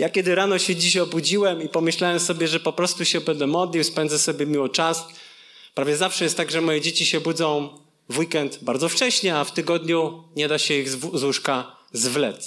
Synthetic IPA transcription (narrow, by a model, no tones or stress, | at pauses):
jakʲɛd̪ɘɾanɔɕɛd͡ʑiɕɔbud͡ʑiwɛmipɔmɘɕlawɛmsɔbʲjɛʐɛpɔpɾɔst̪uɕɛbɛnd̪ɛmɔd̪lʲiwspɛnd̪zɛsɔbʲjɛmʲiwɔt͡ʂas | pɾavʲjɛzafʂɛjɛst̪t̪ːaɡʐɛmɔjɛd͡ʑet͡ɕiɕɛbud̪zɔ̃w̃ | vwikɛnt̪baɾd̪zɔft͡ʂɛɕɲɛaft̪ɘɡɔd̪ɲuɲɛd̪aɕɛiɣzwuʂkazvlɛt̪s